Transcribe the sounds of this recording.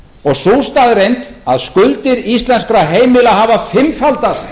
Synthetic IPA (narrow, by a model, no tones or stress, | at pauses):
ɔɣsuːwst̪aðrejnt̪aðskʏlt̪ɪɾist̪lɛnskɾaɦeːjmɪlaɦavafɪmfalt̪ast̪